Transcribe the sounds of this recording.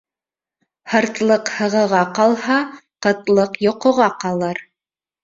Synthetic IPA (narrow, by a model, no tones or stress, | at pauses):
hɤ̆ɾt̪lˠɤqhɤ̆ʁɤ̆ʁɑqɑlˠhɑqɤ̆t̪lˠɤqjŏqŏʁɑqɑlˠɤɾ